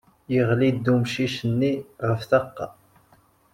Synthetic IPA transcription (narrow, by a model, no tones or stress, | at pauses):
jəʁlid̪ːumʃiʃənːiʁəfθəqːɑ̰